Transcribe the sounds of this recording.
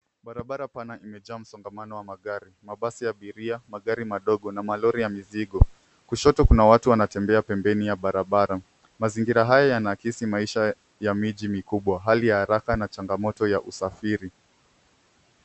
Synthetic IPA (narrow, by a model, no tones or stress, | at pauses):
ɓaɾaɓaɾapanaʔimɛʄaːm̩sɔŋɡamanɔwamaɠaɾimaɓasijaɓiɾiamaɠaɾimaɗɔɠɔnamalɔɾijamiziɠɔ | kuʃɔtɔkunawatuwanatɛmbɛapɛmbɛnijaɓaɾaɓaɾa | maziŋɡiɾaɦajajanakisimaiʃa | jamiʄimikuɓwaɦalijahaɾakanat͡ʃaŋɡamɔtɔjaʔusafiɾi